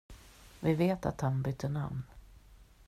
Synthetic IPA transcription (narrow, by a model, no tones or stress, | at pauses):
vɪveːt̪a̰t̪hanbʏt̪ʰːəɳa̰mn